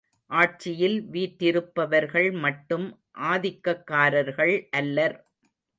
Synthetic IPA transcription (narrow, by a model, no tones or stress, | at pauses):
ʔaːʈ̚t͡ʃɪjɪlʋiːʈːɪɾɯpːɐʋɐɾɣɐɭmɐʈːɯm | ʔaːðɪkːɐkːaːɾɐɾɣɐɭʔɐlːɐɾ